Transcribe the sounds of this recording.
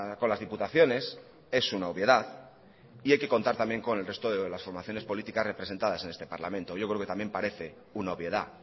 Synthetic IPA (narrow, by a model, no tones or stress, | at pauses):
ko̞nlazðiput̪aθjo̞ne̞s | e̞sunaoβje̞ðað | iajke̞ko̞nt̪aɾt̪ambje̞ŋko̞ne̞lre̞st̪oðelasfo̞ɾmaθjo̞ne̞spo̞lit̪ikasre̞pɾee̞nt̪aðase̞ne̞st̪e̞paɾla̰mẽ̞nt̪oʝo̞kɾeke̞t̪ambje̞mpaɾe̞θe̞ | unaoβje̞ð̞a